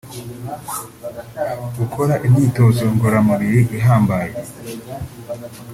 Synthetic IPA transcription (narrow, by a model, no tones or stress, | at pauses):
ɡukʰo̞ɾaʔimɲiːto̞ːzoŋɡoɾamuβiɾiʔiɦaːmbaje